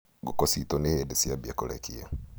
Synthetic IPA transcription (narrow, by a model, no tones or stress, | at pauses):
ɡukositonehedesiabjakolɛ̰kʰia